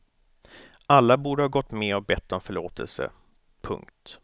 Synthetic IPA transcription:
alːabuːɖəhɑːɡɔt̪ːmɛɔk̚bɛt̪ʰːɔmfœɭoːt̪ʰɛ̰lsə̰ | pʰɵ̰ŋkt̪

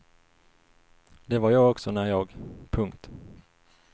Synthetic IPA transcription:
d̪ɛvaɾjɑːɡɔksɔnæɾjɑːɡpʰɵŋkt̪

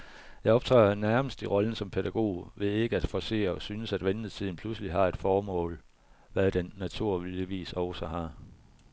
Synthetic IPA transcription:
jɑ̈ɪɒ̽b̥t͡sʰʁɛɪɐnæɐməsd̥iʁɒ̽lən̩sɒ̽mpʰe̝ɾæɡ̥o̝̰ːʋe̝ðˠe̝ɡ̥əæd̥fɒse̝̰ːɐɒ̽synəsæd̥ʋenð̩ˠst͡sʰið̞̰ˠn̩pʰlusəliɦɑ̈e̝d̥fɒːmɔ̰̽ːl | ʋæðˠd̥enːæt͡sʰuɐ̰iʋḭːsɒʊsɒɦɑ̈

